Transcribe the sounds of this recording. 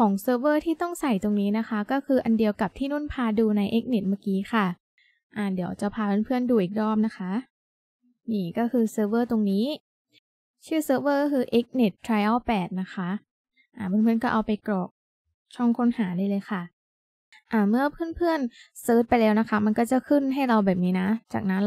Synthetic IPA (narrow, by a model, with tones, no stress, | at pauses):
kʰɔː˩˦ŋsɤː˦˧˥wɤː˥˩t̪ʰiː˥˩t̪ɔ˥˩ŋsa˨˩jt̪o˧ŋniː˦˥na˦˥xʰa˦˥kɔː˥˩kʰɯː˧ʔa˧ndi˧əwka˨˩p̚t̪ʰiː˥˩nu˥˩npʰaː˧duː˧na˧jʔe˦˥k̚ne˨˩t̪̚maː˥˩kiː˦˥xʰa˥˩ | ʔa˧˩di˩˦t͡ɕa˨˩pʰaː˧pʰɯ˦˥˨npʰɯ˥˩ənduː˧ʔiː˨˩k̚dɔː˥˩p̚na˦˥xʰa˦˥ʔ | niː˧˩kɔː˥˩kʰɯː˧sɤː˧˥wɤː˥˩t̪o˧ŋniː˦˥ | t͡ɕʰɯː˥˩sɤː˦˧˥wɤː˥˩kɔ˥˩kʰɯː˧ʔe˦˥k̚ne˨˩t̪ʰːɾa˧ja˥˩wpɛː˨˩t̪̚na˦˥xʰa˦˥ʔ | ʔaː˧˩pʰɯ˥˩˨nʰpʰɯ˥˩ənkɔː˥˩ʔa˧wpa˧jkɾɔː˨˩k̚ | t͡ɕʰɔ˥˩ŋkʰo˦˥nhaː˩˦daː˥˩jlɤː˧jxa˥˩ | ʔaː˧˩mɯ˥˩ɐpʰɯ˥˩ənpʰɯ˥˩ənsɤː˦˥t̪̚pa˧jlɛː˦˥wna˦˥kʰa˦˥ma˧nkɔː˥˩t͡ɕa˨˩kʰɯ˥˩nɦa˥˩jɾa˧wbɛː˨˩p̚niː˦˥na˦˥t͡ɕa̰ː˨˩k̚na˦˥n